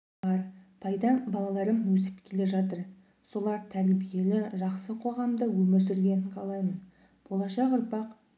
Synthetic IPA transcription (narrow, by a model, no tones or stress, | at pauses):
ɑɾpʰɑjd̪ɑbɑlˠɑlˠɑɾənwɵsɪ̥pkʲʰe̞le̞ʒɑt̪əɾ | so̞lˠɑɾt̪ʰæɾbije̞lɪʒɑqsəqʰo̞ʁɑmd̪əwɵmɪɾs̬ʏɾɡʲe̞nɪɴqʰɑlˠɑjmən | b̥o̞lˠɑʃɑqʊɾpɑq